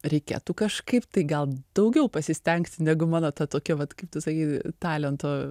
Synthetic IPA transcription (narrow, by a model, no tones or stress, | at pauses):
ɾʲɛɪkʲḛːt̪ukɐʃkɐɪpt̪ɐɪɡɐlˠd̪̥ɐʊɡʲɛʊpɐsʲɪsʲt̪ʲɛŋktʲnʲæɡʊmɑːnoːt̪ɐt̪oːkʲoːʋɐt̪kɐɪp̚t̪ʊsɐkʲiːt̪ɑːlʲɛnt̪oː